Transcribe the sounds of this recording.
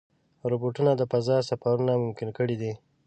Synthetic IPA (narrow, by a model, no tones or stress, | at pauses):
ɾoboʈunad̪əfazɑsafaɾunamʊmkɪnkəɽid̪i